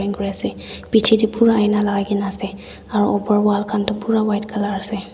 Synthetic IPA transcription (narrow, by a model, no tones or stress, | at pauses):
iŋkɔɹiasɛpit͡ʃʰidipuɹaajnalaɡaɡinasɛ | aɹṵʔɔbaɹwalkʰantʊpuɹawajtkʰalaɹasɛ